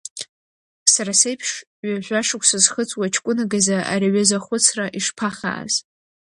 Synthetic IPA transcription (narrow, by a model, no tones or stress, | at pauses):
sarasejpʰʂ | ɥaʒʷaʂɨkʷʰʼsazχət͡sʼwat͡ʃʰkʷʼʊnaɡazaʔa̰ɾiɥazaχʷʊt͡sʰraʔiʂpʰaχa̰ːz̥